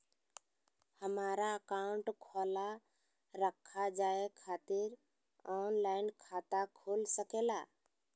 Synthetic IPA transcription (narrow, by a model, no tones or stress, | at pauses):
həmaːɾaəkaʊɳʈkʰɔla | ɾəkʰːad͡ʒaːekʰat̪ɪɾ | ɔnlaɪnkʰaːt̪akʰolsəkela